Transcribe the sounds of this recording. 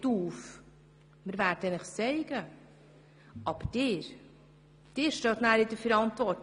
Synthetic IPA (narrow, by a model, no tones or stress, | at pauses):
tuːf | mɪɾvæɾdənɪχt͡sɛɪɡ̥ə | ʔɑb̥əd̥ɪːɾ | d̥ɪːɾʃtɑːtnæːɾɪdəfɛɾɑntvɔɾt